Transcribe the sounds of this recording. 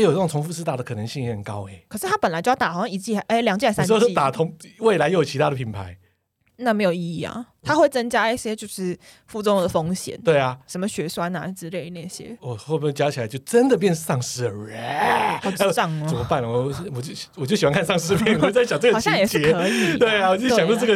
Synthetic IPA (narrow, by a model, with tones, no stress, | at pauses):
jo˨˩n˥jŋtʰŋfu˥˧ʂɻ̩˥˧a˨˩də˩kʰɤ˨˩nə˧˦ŋɕi˥˧jɛ˧˥hə˨˩nkɑ˦ʊe˨˦kʰə˨˩ʂɻ̩˥˩t̪ʰa˥pə˨nla˨˦t͡ɕjo˥˧jt̪xɑ˨˩ɕɑ˥˧ŋi˧˩t͡ɕi˥˩ʔe˥˩ljɑ˨ŋt͡ɕi˥˩a˥˩sa˥˧˥t̪a˨˩t̪ʰo˧˥ŋwe˥˩ɪla˧˥ɪjo˥jt͡ɕʰi˧t̪ʰa˦˥ɾə˩pʰi˨˩npʰa˧˦ɪ | na˥˩me˧˥ɪjo˨˩ʊi˧i˨˩ɐ̰˩t̪ʰa˥xwe˥˩ɪt͡sə˥nt͡ɕja˥i˥˩ɕjɛ˥t͡ɕjo˥˧ʊʂɻ̩˥˩ | fu˥˩t͡sɔ˥ŋd̪ə˨˩fo˥ŋɕjɛ̰˨˦nt̪we˥˩ɪa˩ʂə˧˥mə˧ɕɥɛ˧˥su˥˩a˧˥na̰˨˩˥t͡sɻ̩˧le˥˧ɪ˥˩na˥˩ɕjɛ̰˦˥wɔ˨˩xo˥˩pjt͡ɕja˦t͡ɕʰi˨˩a˨˦t͡ɕjo˥˩ʊʈ͡ʂə˦nd̪ə˨p̬jɛ˥˧nʂ̩˥˧sɑ˥˧ŋʂɻ̩˥ə˨ɻe˨˦˥e˥˦˨ɑ˥˩ŋt͡sə˨˩mə˦pa˥˩nlə˨˩wwɔ˨˩t͡ɕo˥˩wɔ˨˩t͡ɕo˥˩ɕi˨˩wa˦nkʰa˥˧nsɑ˥˧ŋʂ̬ɻ̩˥˧pjɛ˥˩n˨˧wt͡sa˥˩ɪɕjt͡sə˥˩ɡə˨ɕjɑ˥˨ŋjɛ˨˩ʂt͡ɕ̩˥ɛ˧˦ɤ˧˦i˨t̪we˥˩ɪa˨wɔ˨˩˥jɑ˨ŋo˥˧t͡sə˥˩ɡə˨